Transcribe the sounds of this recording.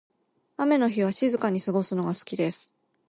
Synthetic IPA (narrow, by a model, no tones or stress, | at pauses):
ame̞no̞çiβ̞aɕizɨkaɲ̟isɨɡo̞sɨno̞ɡasɨ̥kʲid̪e̞sɨ̥